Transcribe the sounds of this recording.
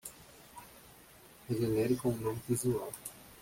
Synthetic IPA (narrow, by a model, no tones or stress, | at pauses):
heʒenɛɾikõũnõmɪvizuaw